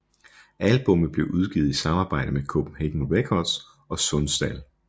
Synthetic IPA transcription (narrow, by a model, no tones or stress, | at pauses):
ælb̥ɔ̽mð̩b̥le̝ʊʔuð̞ˠɡ̥ið̩ˠisɑ̈mɑ̈ːb̥ɑ̈ɪ̰d̥əmekʰɔ̰ːb̥n̩heɡ̥ŋ̩oʋekʰɒ̥s | ɒ̽sɔnsd̥æl